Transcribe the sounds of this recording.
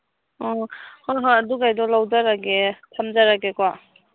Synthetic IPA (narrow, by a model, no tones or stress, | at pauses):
ɔhɔɦaaduɡajdɔlawzaɾaɡetʰamzaɾaɡekwa